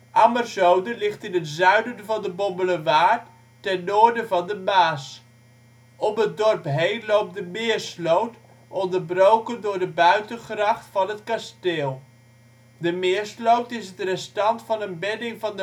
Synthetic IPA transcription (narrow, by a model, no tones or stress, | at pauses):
ʔamərzowdəlɪχtɪnətzœɥdənvɑndəbɔmbələʋaːtː | ɛnːoːɹdəvɑndəbaːs | ɔmət̚dɔrpɦejnlowp̚dəmɪərslowt | ɔndərbrowkəndʊːɹdəbœɥtənχrɑχtfɑnətkasteːlˠ | dəmɪəɹslowtɪsətrɛstɑntfɑnənbɛdɪŋvɑndə